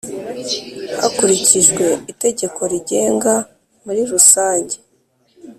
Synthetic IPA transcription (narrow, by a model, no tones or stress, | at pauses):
hakuɾiciʒɡwe̞ite̞ɟe̞kʰo̞ɾiɟe̞ːŋɡa | muɾiɾusaːɲɟe̞̥